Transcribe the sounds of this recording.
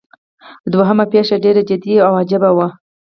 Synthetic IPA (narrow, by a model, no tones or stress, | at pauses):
d̪waɦəmapeʂaɖeɾad͡ʒɪd̪iawad͡ʒɪbawa